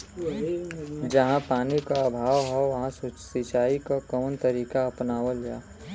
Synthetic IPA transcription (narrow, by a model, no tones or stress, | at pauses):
d͡ʒɐɦãpaːnikaɐbʱaːʋɦɛʋɐɦãsusit͡ʃaːikakɔːnt̪əɾiːkaɐpnaːʋəld͡ʒa̰ː